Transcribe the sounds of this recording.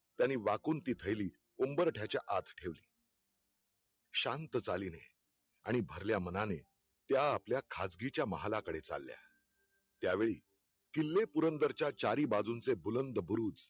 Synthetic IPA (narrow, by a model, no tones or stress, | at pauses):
t̪janːiːʋakuːnt̪iːt̪ʰəjliː | umbəɾʈʰjat͡ɕjaʔat̪ʰʈʰeʋliː | ɕant̪ət͡saliːne | aɽ̃ibʱəɾljamənane | t̪jaːpljakʰad͡zɡit͡ɕjaməɦalakəɽet͡sa̰lːja̰ | t̪jaʋeɭiː | kilːepuɾənd̪əɾt͡ɕjat͡ɕaɾiːbad͡zunt͡sebulənd̪əbuɾuːd͡z